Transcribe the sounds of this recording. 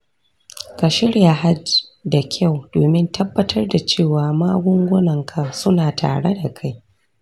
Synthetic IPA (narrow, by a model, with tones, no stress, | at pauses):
ka˨ʃɪ˦ɽja˨ɦa˦d͡ʒda˨kʲʰa˦˨wdoː˨mɪ˦ntɐ˦bːɐ˦tʰɐ˦rda˨t͡ʃeː˦˨waː˨maː˦ɡʷʊ˦ŋɡʷʊ˦nɐ˨ŋkʰa˨sʊ˦naː˨ta̰ː˨ɽe˦da˨kʰa˦j